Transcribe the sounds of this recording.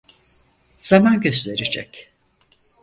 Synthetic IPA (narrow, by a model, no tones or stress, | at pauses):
z̥amanɟøst̪eɾed͡ʒɛ̰c